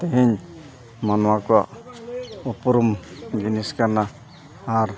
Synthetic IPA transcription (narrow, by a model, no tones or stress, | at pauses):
t̪ɛɦɛɲ | manɔwakɔwa̰ʔ | ɔpɔɾumɡiniskaɾna | aɾ